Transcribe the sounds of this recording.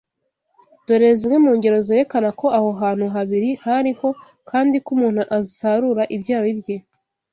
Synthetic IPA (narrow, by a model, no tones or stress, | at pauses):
d̥o̞ɾe̞zimŋemuːŋɡe̞ɾo̞zeːɾe̞kanako̞aho̞ɦaːn̥huɦaβiɾihaɾiho̞ | kaːndikumuːn̥huʔazisaɾuɾaʔibɟaːwibje